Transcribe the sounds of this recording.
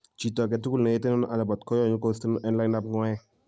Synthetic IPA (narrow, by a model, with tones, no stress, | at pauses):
t͡ʃi˨tɔ˨k̬ɛ˨tu˦ku˦lnɛ˨je˦tɛ˦nɔ˦n˦ʔa˨lɛ˨bɔ˨tkɔ˦jɔ˨ɲu˦kɔ˦sti˦n˦ʔɛ˦nla˦jna˦pŋɔ˦jɛ˦